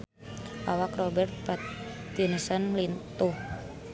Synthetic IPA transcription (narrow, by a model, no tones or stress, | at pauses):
ʔawakrɔbɛrt̪̚pat̪ | junisɔnlint̪uh